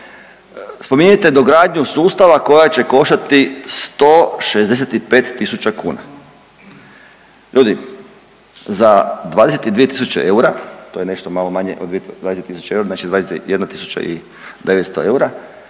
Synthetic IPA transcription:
spo̞miɲat̪ed̪oɡɾaːd̪ɲusuːst̪aʋako̞jat͡ɕe̞ko̞ʃt̪at̪ist̪oːʃezd̪e̞s̬et̪ipe̞ːt̪ːisut͡ɕakuːna̰ | ʎʔuːd̪i | zad̪ʋaːd̪eset̪id̪ʋije̞t̪isut͡ɕḛʔe̞uɾat̪oːjene̞ʃt̪omalomaɲḛʔod̪ʋied̪vad̪eset̪ːisu̥t͡ɕeeuɾaznat͡ʃid̪ʋad̪esejed̪nat̪isu̥t͡ɕa̰ʔi | d̪e̞ʋet̪st̪oe̞uɾa

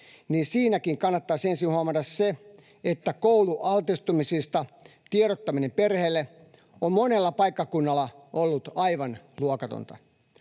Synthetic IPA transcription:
niːnsiːnækiŋkɑnːɑt̪ːɑːsensinhuɑmɑtɑsse | et̪ːækouluʔɑlt̪ist̪umisist̪ɑt̪ieɾot̪ːɑminemperheːlːe | ommonelːɑpɑikːɑkunːɑlːˑɑ | ʔolːut̪ɑiʋɑnluokɑt̪o̰nt̪ɑ̰

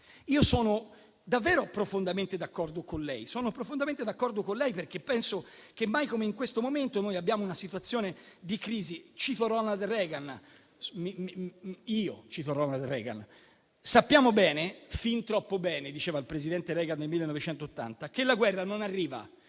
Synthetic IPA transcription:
iːosɔːno | d̪avːɛːɾopɾofond̪ament̪ed̪akːɔrd̪okonlɛjsɔːnopɾofond̪ament̪ed̪akːɔrd̪okonlɛjperk̟epːɛnsokemːajkomeiŋkwest̪omoment̪onojabːjaːmounasit̪wat̪sːjoːned̪ikɾiːzit͡ʃit̪oɾɔnald̪rɛːɡan | mimiːot͡ʃit̪oɾɔnald̪rɛ̰ːɡa̰n | sapːjaːmobɛːnefint̪ɾɔpːobɛːned̪it͡ʃeːvailpɾezid̪ɛnt̪eɾɛːɡand̪elmilːenːɔvet͡ʃɛnt̪oːt̪ːa̰nt̪akelːaɡwɛrːanonarːiːva̰

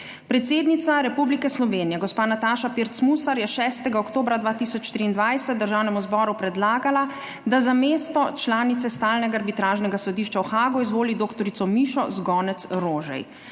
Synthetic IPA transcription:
pɾɛt̪seːd̪nit̪saɾɛpublikɛslɔʋeːnijɛɡɔspaːnat̪aːʃapiɾt̪smusaɾjɛʃɛːst̪ɛɡaokt̪oːbɾad̪ʋaːt̪isɔt͡ʃt̪ɾiːnd̪ʋajsɛt̪̚d̪əɾʒaːwnɛmuzbɔːɾupɾɛd̪laːɡala | d̪azameːst̪ɔt͡ʃlaːnit̪sɛst̪aːlnɛɡaːɾbit̪ɾaːʒnɛɡasɔd̪iːʃt͡ʃawxaːɡɔizʋoːlid̪oːkt̪ɔɾit̪sɔmiːʃɔzɡɔːnɛt̪sɾoːʒɛ̰j

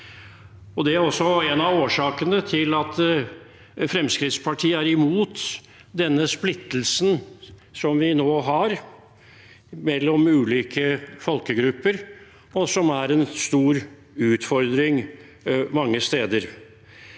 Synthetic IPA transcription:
ɔd̪ɛæɾɔsːɔɛnɑʋoːʂɑːkənət̪ʰɪlɑt̪ | fɾɛmskɾɪt̪spʰɑʈʰiːəæɾɪmuːt̪ | d̪ɛnːəsplɪt̪ːəlsnsɔmʋɪnoːɦɑɾ | mɛlːɔmʉːliːkʰəfɔlkəɡɾʉpːəɾ | ɔsɔmæɾɛnst̪uːɾ | ʉːt̪fɔɾd̪ɾɪŋ | mɑŋːəst̪eːd̪əɾ

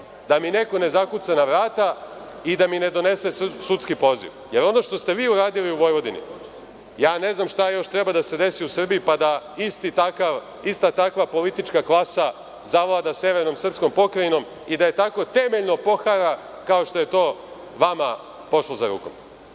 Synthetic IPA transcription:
d̪amine̞ko̞ne̞zakut̪sanaʋɾaːt̪a | id̪amine̞d̪o̞ne̞se̞sut̪skipo̞zḭʋje̞ɾo̞no̞ʃt̪o̞st̪e̞ʋiːuɾaːd̪iliuʋo̞jʋo̞d̪inḭ | jaːne̞znamʃt̪ajo̞ʃt̪ɾe̞bad̪ase̞d̪e̞siusr̩biipad̪aist̪it̪akaʋ | ist̪at̪akʋapo̞lit̪it͡ʃkaklˠasa | zaʋlˠad̪asjeʋeɾno̞msr̩psko̞mpo̞kɾajino̞m | id̪aje̞t̪ako̞t̪e̞me̞ʎno̞po̞xaɾa | kao̞ʃt̪o̞je̞t̪o̞ː | ʋama | po̞ʃlˠozaɾṵːko̞̰m

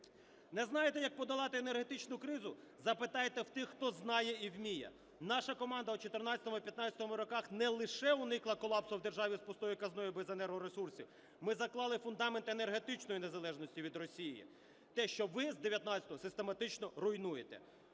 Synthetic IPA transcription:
nɛznɑjet̪ɛjɐk̚pɔd̪ɐlˠɑt̪ɪːnerɦet̪ɪt͡ʃnʊkɾɪzʊ | zɐpɪt̪ɑjet̪ɛwt̪ɪxt̪ɔznɑjɛiwmʲijɛ̰ | nɑʃɐkɔmɑnd̪ɐut͡ʃɔt̪ernɑt͡sʲɐt̪ɔmʊipʲjɐt̪nɑt͡sʲjɐt̪ɔmʊɾɔkɑxnɛlˠɪʃɛʊnɪklˠɐkɔlˠɑpsʊwd̪e̞rʒɑʋʲispɔst̪ɔjikɐznɔjibezenɛɾɦɔɾesursʲḭw | mɪzɐklˠɑlˠɪfʊnd̪ɑment̪ene̞rɦe̞t̪ɪt͡ʃnɔjinezɐlˠɛʒnɔsʲtʲiʋʲid̪rɔsʲijḭ | t̪ɛʃt͡ʃɔʋɪzd̪eʋʲjɐt̪nɑt͡sʲɐt̪ɔɦɔsɪst̪e̞mɐt̪ɪt͡ʃnɔɾʊjnujet̪ɛ̰

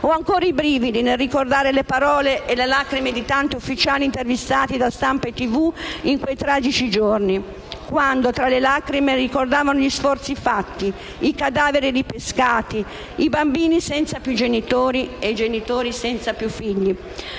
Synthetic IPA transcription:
oaŋkɔːɾaibɾiːvid̪inelːikord̪aːɾelepaɾɔːleʔelelakɾimed̪it̪ant̪iufːit͡ʃaːlint̪ervist̪aːt̪id̪ast̪ampaet̪ːivuiŋkwejt̪ɾaːd͡ʒit͡ʃid͡ʒorni | kwand̪ot̪ɾalelakɾimerikord̪aːvanoʎisfɔrt̪sifat̪ːi | ikad̪aːveɾid̪ipeskaːt̪i | ibambiːnisɛnt̪sapjud͡ʒenit̪oːɾieid͡ʒenit̪oːɾisɛnt̪sapjufːiʎːi

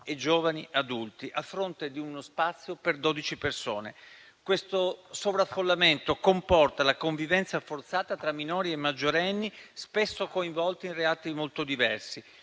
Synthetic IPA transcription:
ed͡ʒoːvaniad̪ult̪iʔafːɾont̪ed̪iunospat̪sːjoperd̪oːd̪it͡ʃipersoːnḛ | kwest̪osovɾafːolːament̪okompɔrt̪alakoɱvivɛnt̪safort̪saːt̪at̪ɾamːinoːɾiemːad͡ʒːoɾɛnːispesːokoiɱvɔlt̪iinreaːt̪imolt̪od̪ivɛrsi

